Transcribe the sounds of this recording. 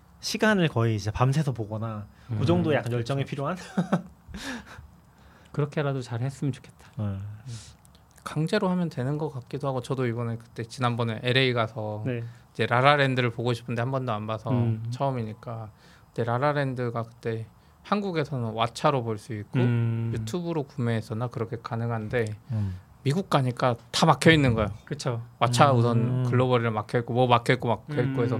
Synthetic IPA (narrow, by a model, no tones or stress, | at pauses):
ɕʰiɡanɯɭkʌiːd͡ʑepams̬ʰe̞sʰʌpoɡʌna | kod͡ʑʌŋdojak͈anjʌɭt͡ɕ͈ʌŋepʰiɾjoɦan | kɯɾʌkʰeɾadot͡ɕaɾhes͈ɯmjʌnt͡ɕo̥kʰe̞t̚t͈ḁ | kaŋd͡ʑe̞ɾoɦamjʌntwe̞nɯnɡʌk͈ak̚k͈idoɦaɡot͡ɕʌdoibʌnekɯ̥t͈e̞t͡ɕinanbʌneʔe̞ɾe̞iɡasʰʌneid͡ʑe̞ɾaɾaɾe̞ndɯɾɯɭpoɡoɕʰi̥pʰɯnde̞hambʌndoanbasʰʌt͡ɕʰʌʌmiɲik͈a | kɯt͈e̞ɾaɾaɾe̞ndɯɡakɯ̥t͈e̞ | hanɡuɡe̞sʰʌnɯnwat͡ɕʰaɾoboɭs͈uik̚k͈ojutʰubɯɾokumeɦːs͈ʌnːakɯɾʌkʰe̞kanɯŋɦande̞ | miɡuk̚k͈aɲik͈atamakʰjʌinːɯnɡʌejokɯt͡ɕʰowat͡ɕʰaus̬ʰʌnkɯɭːʌbʌɾiɾɯɭmakʰjʌik͈omʌmakʰjʌɭk͈omakʰːeɭk͈oesʰʌ